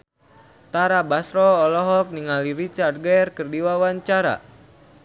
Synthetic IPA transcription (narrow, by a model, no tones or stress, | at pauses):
t̪aɾabasɾɔːlɔɦɔk̚niŋaliɾit͡ʃart̪̚ɡɛrkərdiwawaɲt͡ʃaɾa̰